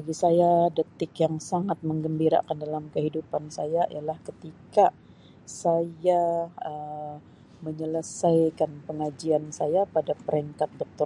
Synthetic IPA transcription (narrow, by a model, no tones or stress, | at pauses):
baɡisajadət̪ɪkjaŋsaŋat̪̚məŋɡəmbiɾa̰kandalamkəɦidupansajaʔḭjalahkət̪ika | sajaə | məɲələsajkanpəŋad͡ʒiansajapadapəɾiŋkat̪̚dɔk̚t̪ʊ